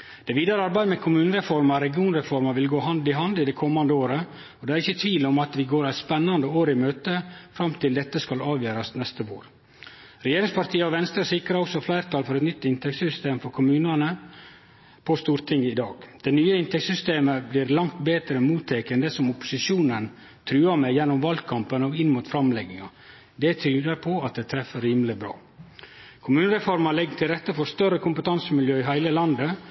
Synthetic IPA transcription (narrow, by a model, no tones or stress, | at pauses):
d̪̥ɛʋiːd̪ɑɾəɑɾbæɪd̪əmɛkʰʊmʉːnəɾɛfɔɾmɑɾɛɡɪuːnɾɛfɔɾmɑʋɪlɡoːɦɑnd̪ɪɦɑnd̪ɪd̪ɛkʰɔmːɑnd̪əoːɾə | ɔd̪ɛæɾɪçːət̪ʰʋiːlɔmɑt̪ʋɪɡoːɾæɪspɛnːɑnd̪əoːɾɪmøːt̪əfɾɑmt̪ʰɪld̪ɛt̪ːəskɑlɑːʋjøːɾɑsnɛst̪əʋo̰ːɾ | ɾɛjeːɾɪŋspʰɑɾʈ̪ʰiːəɔʋɛnst̪ɾɑsɪkɾɑɔksɔflæɪɾt̪ʰɑːlfɔɾɛt̪nʏt̪ːɪnt̪ʰɛksʏst̪eːmfɔɾkʰʊmʉːnənə | pʰɔst̪uːɾt̪ʰɪŋːəɪd̪ɑːɡ̥d̪̥ɛnyːəɪnt̪ɛksʏst̪eːməblɪɾlɑŋt̪beːt̪ɾəɛnmuːt̪ʰːɛːkənd̪əsɔmʊpːʊ̥sɪʂuːnən | t̪ʰɾʉːɑmɛjɛnːʊmʋɑlkʰɑmpənɔɪnːmuːt̪fɾɑmlɛɡɪŋɑ | d̪ɛt̪ʰɾyːd̪əɾpʰɔɑt̪̚d̪ɛt̪ʰɾɛfːəɾiːməlɪbɾɑ̰ː | kʰʊmʉːnəɾɛfɔɾmɑlɛɡːt̪ʰɪlɾɛt̪ːəfɔɾst̪œrɾəkʰʊmpət̪ʰɑnsəmɪljøːɪɦæɪləlɑnd̪ə